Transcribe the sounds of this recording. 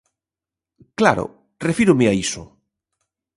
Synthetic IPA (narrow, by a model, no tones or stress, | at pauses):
klaɾo̰ | refiɾʊmɪaiso